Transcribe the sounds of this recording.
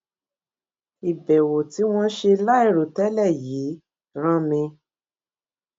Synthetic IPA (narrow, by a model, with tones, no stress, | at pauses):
i˨bɛ˨wo˨ti˨˦w̃ɔ̃˦ʃe˧la˦i˦˨ɾo˨tɛ˦lɛ˦˨jiː˨˦ | ɾ̃ã˦mĩ˧